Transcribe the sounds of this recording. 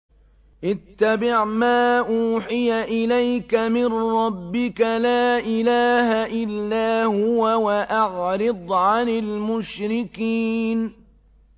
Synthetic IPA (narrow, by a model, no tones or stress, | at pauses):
ʔɪt̪ːabɪʕmaːʔuːħɪjaʔɪlajkamɪnɾɑbːɪkalaːʔɪlaːhaʔɪlːaːhʊwawaʔaʕɾɪɨd̪ˤʕanɪlmʊʃɾɪkiːn